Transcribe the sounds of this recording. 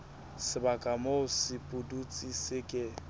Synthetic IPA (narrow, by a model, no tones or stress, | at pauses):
sɪbakʼamosɪpʼʊdut͡sʼisɪkʼɪ